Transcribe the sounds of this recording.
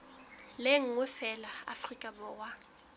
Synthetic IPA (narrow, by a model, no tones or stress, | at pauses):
leŋ̩ʊfɛlaa̰frikʼabɔwa